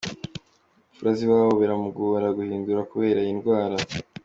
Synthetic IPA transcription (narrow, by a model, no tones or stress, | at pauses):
ufuɾaziwaːβoβaɾamuɡoβaɾaɡuhiːnduɾakuβe̞ːɾajinɡwaːɾa